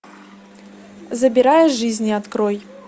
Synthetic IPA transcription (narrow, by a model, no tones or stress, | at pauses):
zɐbʲiɾajɛʐɨzʲnʲiat̪kɾɔj